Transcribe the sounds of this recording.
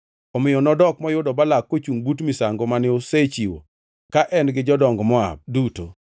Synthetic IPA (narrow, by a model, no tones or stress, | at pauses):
ɔmɪjɔnɔdɔkmɔjʊdɔbalakːot͡ʃuŋbutmɪsaŋɡomanɪoset͡ʃiwo̰ | kaʔɛnɡɪd͡ʒɔdɔŋɡɔmɔa̰b̚duto̰